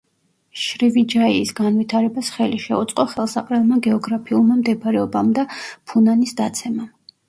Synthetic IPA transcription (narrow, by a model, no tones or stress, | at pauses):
ʃɾivid͡ʒaiːsɡanvit̪ʰaɾɛbasχɛliʃɛut̪sʼqʼɔχɛlˠsaqʼɾɛlˠmaɡɛɔɡɾapʰiulˠmamd̪ɛpaɾɛɔbamd̪apʰunanisd̪at̪sʰɛma